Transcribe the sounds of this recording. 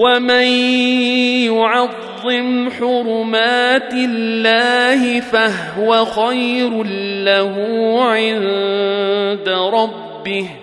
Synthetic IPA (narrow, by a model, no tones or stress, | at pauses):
waman | jʊʕɑðːɪmħʊɾʊmaːt̪ɪlːaːhɪfaɦʊwaxajɾlːahuːʕɪnn | d̪aɾˤɑbːɪh